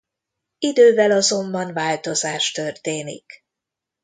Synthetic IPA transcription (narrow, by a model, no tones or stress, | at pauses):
id̪øːvɛlɒzo̞mbɒnvaːlt̪o̞zaːʃt̪ø̞rt̪eːnḭk